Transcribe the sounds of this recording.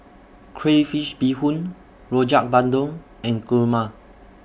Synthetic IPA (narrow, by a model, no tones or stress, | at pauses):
kʰɹefiʃbihũn | ɹɔd͡ʒak̚bãndõŋ | ɛ̃nkuma